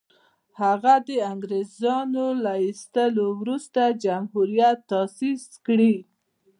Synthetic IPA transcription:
haɣad̪əaŋɡɾezɑnolaist̪əlowɾust̪ad͡ʒamhuɾjat̪ːɑsiskɽi

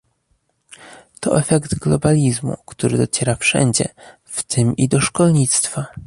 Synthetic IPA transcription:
t̪ɔ̰ʔɛfɛkt̪ɡlɔbalʲizmṵkt̪uɾɘd̪ɔt͡ɕɛɾafʂɛ̰ɲd͡ʑɛ̰ | ft̪ʰɘmid̪ɔʂkɔlɲit̪st̪fa

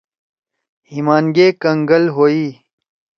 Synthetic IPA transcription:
himaːnɡeːkɐŋɡɐlɦoːiː

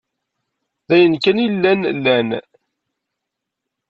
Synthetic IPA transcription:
ðæjənkænilːænlːæn

